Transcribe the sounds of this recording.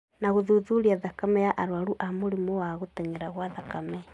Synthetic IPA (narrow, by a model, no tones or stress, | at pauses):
naɣoðuðuɾiaðakamɛjaʔaɾwaɾuʔamoɾimowaɣotɛŋɛɾaɣwaðakamɛ